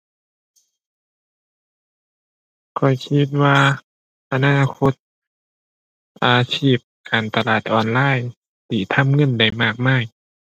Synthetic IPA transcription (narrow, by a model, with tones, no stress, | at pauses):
kʰɔ˨˩jkʰi˧t̪̚waː˧ | ʔa˧naː˧˨kʰo˧˥t̪̚ | ʔaː˨˧t͡ɕʰiː˥˩p̚kaː˨˩nt̪a˧laː˧˩t̪̚ʔɔː˨˩nlaː˧˥˨j | t̪ʰiː˧˩t̪ʰa˧˥˨mŋɤ˧˥˨nda˨˩jmaː˧˩k̚maː˧˩j